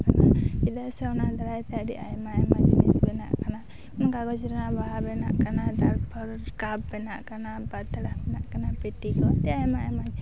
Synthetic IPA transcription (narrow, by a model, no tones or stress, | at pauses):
kanakid̪asɛwnad̪aɾajt̪ɛaɖiʔa̰jmaɛmad͡ʒnḭsbɛna̰ʔkana | ɔnkaɡɔt͡ʃiɾanabaɦabɛna̰ʔkanad̪aɾpʰɔɾkabbɛnaʔkanabat̪aɽabɛnaʔkanapɛʈikɔɖiajmaajmad͡ʒ